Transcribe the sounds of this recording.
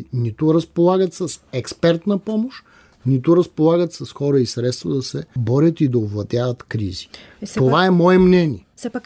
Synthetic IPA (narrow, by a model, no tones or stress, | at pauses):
nit̪ʊɾɐspolˠaɡət̪sɐsɛkspɛɾt̪nɐpɔmoʃ | nit̪ʊɾɐspolˠaɡət̪sɐsxɔɾəisɾɛt̪st̪vɐd̪ɐsɛbɔɾʲət̪id̪ɐovlˠɐt̪javɐt̪kɾḭzi̥ | ovaɛmɔɛmnɛniɛ